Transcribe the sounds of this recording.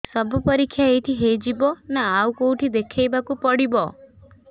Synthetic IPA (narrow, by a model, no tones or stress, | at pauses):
sɔbʱɔpɔɾikʰːjaejt̪ʰiɦejd͡ʒibɔnaːwkouʈʰid̪ekʰejbakupɔɽibɔ